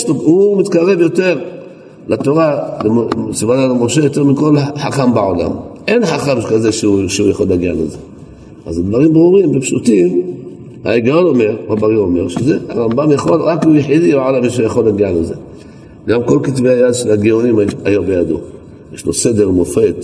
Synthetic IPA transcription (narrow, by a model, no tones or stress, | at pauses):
ʃlohumit̪kaʁe̞vjo̞t̪e̞ʁ | lat̪o̞ʁaleosivanalmo̞ʃejo̞t̪e̞ʁmiko̞laħaχambeʕola̰mʔe̞nħaχamkazeʃʃeujaχo̞lːaɡialeze̞ | ʔazd̪vaʁimbʁuʁimbepʃut̪im | ha̰iɡajono̞me̞ʁabaʁio̞me̞ʁʃeze̞ha̰ʁambamjaχo̞lʁakijeħid̪ibeʕolamiʃ̬eujaχo̞lːaɡialeze | ɡamko̞lkit̪vehajad̪ʃelaɡionimajombejad̪o̰ | je̞ʃlose̞d̪e̞ʁmofe̞t̪